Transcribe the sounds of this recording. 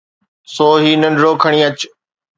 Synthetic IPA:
soːɦiːnə̃nɖɾoːkʰəɽ̃ĩːɐt͡ɕ

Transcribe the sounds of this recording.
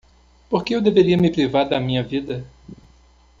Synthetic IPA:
poɾkeewd̪eveɾiɐmɪpɾivaɾd̪ɐmĩɲɐvid̪ɐ

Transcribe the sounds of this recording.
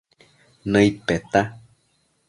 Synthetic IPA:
nə̃ipet̪a

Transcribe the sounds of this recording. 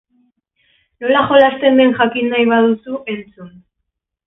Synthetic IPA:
no̞laʝo̞last̪e̞nd̪e̞ŋʝakinːajβaðusuʔe̞nt͡sun

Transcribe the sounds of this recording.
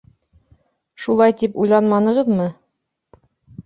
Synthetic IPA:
ʃulˠɑjt̪ipujlˠɑnmɑnɤ̆ʁɤðmɤ

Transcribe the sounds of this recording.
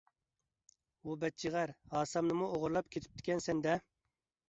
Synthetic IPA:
ubɛt̪̚t͡ʃʰiʁæɾhɑːsɑmnɨmuoʁʊɾlˠɑp̚kʲʰet̪ʰɪ̥p̚t̪ʰɪ̥kʲʰɛnsɛnd̪ɛ

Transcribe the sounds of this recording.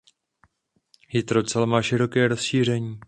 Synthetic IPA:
hɪt̪ɾo̞t͡sɛlmaːʃɪɾo̞kɛːɾo̞sʃiːr̝ɛɲiː

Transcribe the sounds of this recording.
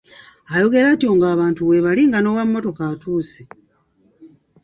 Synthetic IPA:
ajo̞ɡe̞ɾaːtio̞ŋɡaːβaːntuwe̞βaliːŋɡano̞ːwamːo̞to̞kaːtuːse

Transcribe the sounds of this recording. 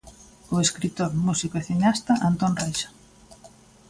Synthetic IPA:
ʊeskɾit̪oɾmusikoeθiɲast̪ɐʔant̪onrajʃḁ

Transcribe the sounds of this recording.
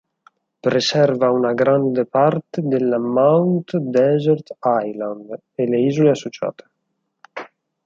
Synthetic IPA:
pɾesɛrvaunaɡɾand̪epart̪ed̪elːamawnt̪d̪ɛzɛɾt̪ajland̪ | eleizuleasːot͡ʃa̰ːt̪e̥

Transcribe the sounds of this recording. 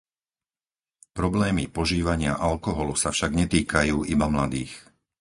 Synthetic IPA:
pɾɔblɛːmipɔʒiːʋaɲɪa̰ʔalkɔɦɔlusafʃaɡɲɛt̪iːkajuːʔibamlad̪iːx

